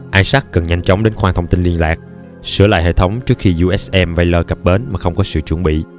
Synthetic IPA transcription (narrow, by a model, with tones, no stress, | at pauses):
ʔaː˧jsa˦˥k̚kə˨˩nɲa˧jŋ̟t͡ɕɔ˨˦wŋ͡mɗe˨˦nxwaː˧t̪ʰə˧wŋ͡mt̪i˧nli˧ənlaː˨˩k̚ | sɨ˧˩əla̰ː˧˨jɦḛ˧˨t̪ʰə˨˦wŋ͡mt͡ɕɨ˦˥ək̚xi˧zu˧ʔɛ˦˥sʔɛ˧mva˧jləː˧kə˨˩p̚ɓe˨˦nmaː˨˩xə˧wŋ͡mkɔ˨˦sɨ̰˧˨t͡ɕwə˧˩əɓḭ˧˨